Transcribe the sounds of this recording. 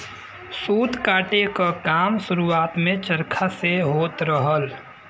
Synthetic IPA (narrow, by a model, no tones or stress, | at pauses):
suːd̪kaːʈekakaːmsʊɾuaːt̪mẽt͡ʃəɾkʰaseɦoːt̪ɾəɦəl